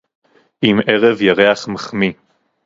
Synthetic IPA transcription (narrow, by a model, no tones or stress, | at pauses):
ʔimeʁevjaʁeaχmaχmi